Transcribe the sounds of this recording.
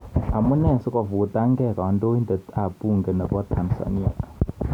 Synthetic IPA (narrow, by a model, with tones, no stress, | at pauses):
a˨mu˦nɛ˦˨sɔ˦kʼɔ˨vu˨tʼa˦ŋɡɛ˦˨ka˨a˨ndo˦i˦ndɛ˨a˨pu˦˨ŋɡɛ˨nɛ˨kɔ˦tʰa˨nsa̰˨ni˦a̰˨